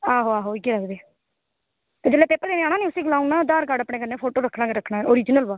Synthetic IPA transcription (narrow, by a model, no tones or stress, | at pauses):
aːɦoːaːɦoːɪɡeːləkd̪eː | t̪eːd͡ʒeːlːeːpeːpəɾd̪eːnaːɽãːniːʊsiːɡʊlaːunaːd̪aːɾkaːɖapɽẽːkənːẽːpʰoːʈoːɾəkʰːnaːɡeɾəkʰːnaːeoːɾiːd͡ʒnəlbaː